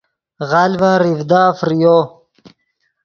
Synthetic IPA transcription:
ʁalvaɾivd̪aːfɾijo

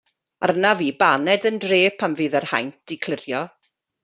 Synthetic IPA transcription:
arnaviːbanɛdəndreːpʰamvɨːðɛrha̰jntikʰlˠɪrjɔ

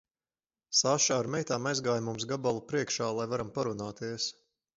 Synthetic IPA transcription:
saːʃaːɾmɛjt̪aːmajzɡaːjmumsɡabalˠupɾiɛkʃaːlˠajvaɾampaɾunaːt̪iəs

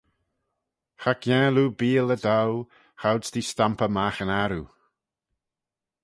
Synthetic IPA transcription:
xakjɛ̃ːluːbiːləd̪aw | xawdsd̪istampəmaxənaɾu

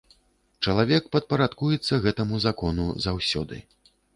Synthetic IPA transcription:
t͡ʂɐlˠavʲɛkpɐt̪̚pɐɾat̪kujɛt̪sːɐɣɛt̪ɐmuzakɔnṵzawsʲɔd̪ɨ̰

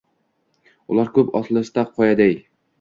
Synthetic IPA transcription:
ʊ̰lˠaɾkʰɵpɒslˠɪst̪aqʰːɒjad̪aj

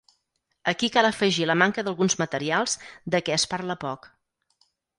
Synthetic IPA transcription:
əkikalˠəfəʒiləmaŋkəðəlˠɣunzmət̪əɾialˠz̥d̪əkɛəspaɾləpɔk

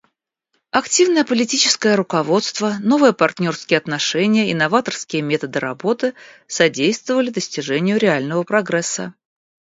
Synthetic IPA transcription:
ɐktʲivnəjəpəlʲɪtʲit͡ɕɪ̥skəjəɾʊkɐvo̞t̪st̪vəno̞vəjəpɐrtʲnʲo̞rskʲɪjəɐt̪nɐʂɛnʲɪjəɪnɐvat̪ərskʲɪjəmʲet̪əd̪ɨɾɐ̰bo̞t̪ɨsɐdʲejst̪vəvəlʲɪd̪əsʲtʲɪʐɛnʲɪjʊɾʲɪalʲnəvəpɾɐɡɾɛsːə̰

